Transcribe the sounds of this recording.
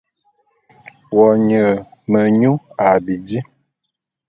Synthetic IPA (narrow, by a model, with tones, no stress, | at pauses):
wɔ˨ɲə˨mə˨ɲu˦a˨bi˨di˦